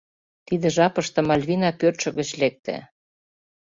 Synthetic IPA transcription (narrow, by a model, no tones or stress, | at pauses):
t̪id̪ĕʒɑpə̆ʃt̪ɤ̆mɑlʲβinɑpørt̪ʃə̆ɣə̆t͡ɕlek̚t̪ḛ